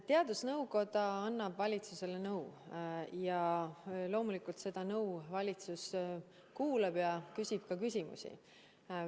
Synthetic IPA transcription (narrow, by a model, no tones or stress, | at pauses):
t̪e̞ɑd̪̥usnɤwko̞d̪ɑɑnːɑbvɑlʲit̪suse̞lenɤw | jɑ | lo̞ːmulikult̪se̞d̪̥ɑnɤwvɑlʲit̪sus | kuːleb̥jɑkysʲib̥kɑkysʲimṵsʲḭ